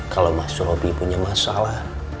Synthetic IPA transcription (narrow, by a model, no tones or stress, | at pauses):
kalomasuɾobipuɲamasalah